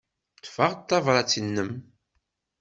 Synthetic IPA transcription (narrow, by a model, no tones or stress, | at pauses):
t̪ːfəʁt̪ːɑvɾˤɑt͡sːənːəm